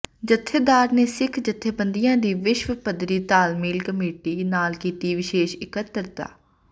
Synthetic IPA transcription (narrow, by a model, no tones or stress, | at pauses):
d͡ʒət̪ʰːeːd̪aːɾneːsɪkʰd͡ʒət̪ʰːeːbənd̪ijãːd̪iːʋɪʃʋəpəd̪ɾiːt̪aːlmiːlkəmeːʈiːnaːlkiːt̪iːʋɪʃeːʃɪkət̪ːəɾt̪a̰ː